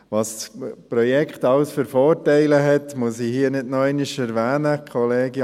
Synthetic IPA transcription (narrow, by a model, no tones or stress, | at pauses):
ʋɑsspɾɔjɛkχtɑʊsfəɾfɔːɾtɛɪləɦɛtmusihiənɪdnɔæɪniʃɛɾʋæːnəkʰχɔleːɡj